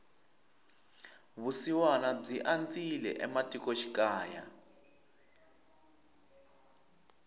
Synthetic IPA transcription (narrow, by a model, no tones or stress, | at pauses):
βusiwanab͡ʐiʔand͡zilɛ̰ʔɛmatʼikɔʃi̥kaːja̰